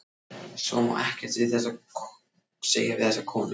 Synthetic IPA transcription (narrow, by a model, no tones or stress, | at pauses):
sɔ̰mɔ̰ʔɛhcɛɾ̥t̪vɪðθɛs̬a | seːjaɪðθɛsakʰɔːnʏ